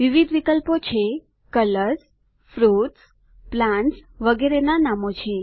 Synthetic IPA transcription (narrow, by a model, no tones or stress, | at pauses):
ʋiʋid̪ʱʋikəlpot͡ʃʰe | kələɾs | fɾut̪s | plãɳʈsʋəɡeɾenanamot͡ʃʰe